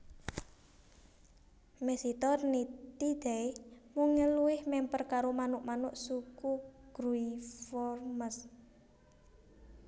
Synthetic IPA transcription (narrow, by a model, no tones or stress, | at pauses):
mesit̪ɔrnit̪id̪̥ɛmuŋəluwɪhmɛmpərkaɾomanʊʔmanʊʔsukuɡ̥ɾuifɔrməs